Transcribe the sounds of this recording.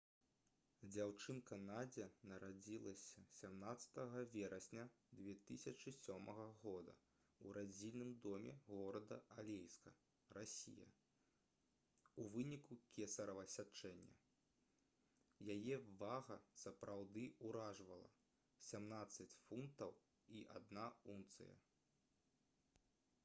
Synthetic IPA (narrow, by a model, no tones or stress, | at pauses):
d͡zʲawt͡ʂɨnkɐnad͡zʲɛnɐɾad͡zʲilˠɐsʲɐsʲamnat̪sɐ̥t̪ɐɣɐvʲɛɾɐsʲnʲɐ | d̪vʲɛt̪ɨsʲɐt͡ʂɨsʲɔmɐɣɐɣɔd̪ɐ̰ | uɾad͡zʲilʲnɨmd̪ɔmʲɛ̰ɣɔɾɐd̪ɐalʲejskɐ | ɾasʲḭjɐ̰ | uvɨnʲikukʲɛsɐɾɐvɐsʲat͡ʂɛnʲːɐ̰ | jajɛvaɣɐsɐpɾawd̪ɨuɾaʐvɐlˠɐ̰ | sʲamnat̪sːɐt͡sʲfunkt̪ɐw | iʔad̪naunt̪sɨ̰jɐ̰